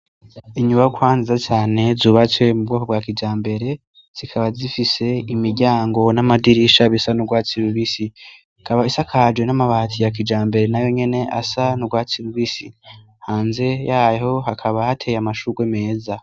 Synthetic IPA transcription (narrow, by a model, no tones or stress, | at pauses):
iɲuβakwaːnzizat͡ʃaːne̞zuːβat͡se̞mubɡokobɡaːkid͡ʒaːmbe̞ɾe̞ | z̥ikʰaβazifise̞imiɾɟaːŋɡo̞namadiɾiʃaβisanuɡwaːt͡siɾuβisi | kaβaisakʰad͡ʒwe̞namaβaːtʰijak̬id͡ʒaːmbe̞ɾe̞najo̞ɲe̞neʔasanuɡwaːt͡siɾuβisi | haːnze̞jaːjho̞hakʰaβahatʰe̞jamaʃuɡweme̞ːza